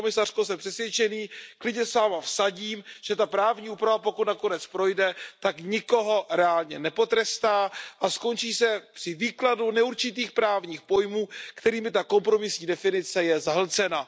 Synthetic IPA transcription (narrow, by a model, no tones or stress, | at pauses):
omɪsar̥kosɛmpr̥ɛsvjɛt͡ʃɛniːklɪdɲɛsvaːmafsaɟiːmʒ̥ɛt̪apɾaːvɲiːuːpɾavapo̞kut̪nakonɛt͡spɾo̞jdɛt̪akɲɪko̞ɦo̞ɾɛaːlɲɛ̰nɛpo̞t̪ɾɛst̪aːʔasko̞nt͡ʃiːsɛpr̥ɪviːkladunɛuɾt͡ʃɪt̪iːxpɾaːvɲiːxpo̞jmuːkt̪ɛɾiːmɪt̪ako̞mpɾo̞mɪsɲiːdɛfɪnɪt͡sɛjɛzaɦl̩t͡sɛna